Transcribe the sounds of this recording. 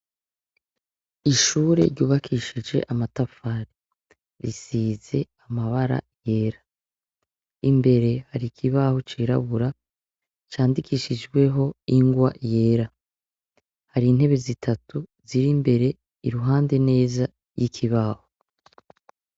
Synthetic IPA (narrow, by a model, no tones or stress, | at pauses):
iʃuːɾe̞̰ɾɟuːβakʰiʃid͡ʒe̞̰ʔamatafaːɾi | ɾisize̞amaβaɾa̰ | je̞ːɾa | imbe̞ɾe̞haɾikʰiβaho̞t͡ʃiːɾa̰βuɾa | t͡ʃaːndikʰiːʃid͡ʒɡwe̞ɦo̞iŋɡwaje̞ːɾa | haɾiːn̥e̞βe̞zitʰatuziɾimbe̞ɾe̞ | iɾuɦaːnde̞ne̞ːza | jikʰiβaho